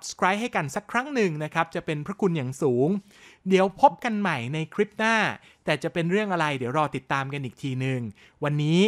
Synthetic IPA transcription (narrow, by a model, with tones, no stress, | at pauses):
sa˨˩p̚skʰɾaː˦˥jɦa˥˩jka˧nsa˦˥kʰɾa˦˥ŋnɯ˨˩ŋna˦˥kʰa˦˥p̚t͡ɕa˨˩ʔpe˧npʰɾa˦˥kʰu˧njaː˨˩ŋsuː˩˦ŋ | di˩˦əwpʰo˦˥p̚ka˧nma˨˩jna˧jkʰɾi˦˥p̚naː˥˩ | t̪ɛː˨˩t͡ɕa˨˩pe˧nɾɯ˥˩əŋʔa˧ɾa˧jdiː˨˩˦wɾɔː˧t̪i˨˩t̪ːaː˧mka˧nʔiː˨˩k̚t̪ʰiː˧nɯ˨˧ŋ | wa˧nːiː˦˥